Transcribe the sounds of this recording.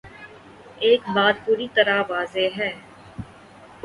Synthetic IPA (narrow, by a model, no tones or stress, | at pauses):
eːk̚baːt̪̚puːɾit̪əɾaʋaːzeɦɛː